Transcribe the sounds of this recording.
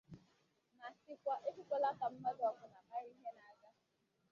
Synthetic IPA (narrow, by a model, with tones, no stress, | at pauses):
na˨sɪ˦kʷa˦ʔe˦ku˦kʷɔ˦la˦ka˨m̩˦ma˦dɔ˨kʊ˨na˨ʔa˦ɾi˦ɦe˦na˨ɡa˦